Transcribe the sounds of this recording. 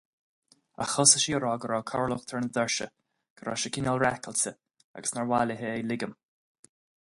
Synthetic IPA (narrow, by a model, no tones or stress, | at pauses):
a̰xɔsəʃiəɾɔːɡəɾɔːkʰɔɹlʊxt̪ʰəɹnəd̪ɛɹʃə̰ | ɡ̥əɾɔ̰ʃəkʰɪnɔlɹɛkəlsə | a̰ɡəsnaɹwaləɦeejlɪɡəm